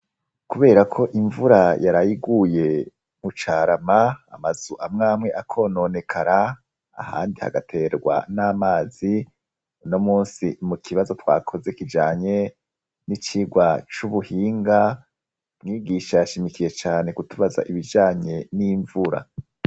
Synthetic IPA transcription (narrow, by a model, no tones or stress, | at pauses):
kuβe̞ːɾakʰo̞ʔiɱvuɾajaɾajiɡuje̞ | mut͡ʃaːɾamaa̰maz̥uʔamŋaːmŋe̞ʔakʰo̞no̞ːne̞kʰaɾa | a̰ha̰ːndiha̰ɡatʰe̞ːɾɡwa̰naːmaːzi | nomuːnsimukʰiβazo̞twa̰ːkʰo̞ze̞kid͡ʒaːɲe̞ | nit͡ʃiːɡwat͡ʃuβuhiːŋɡa | mŋiːɡiːʃajaʃimikije̞t͡ʃaːne̞kutuβaza̰ʔiβid͡ʒaːɲe̞niɱvuɾa̰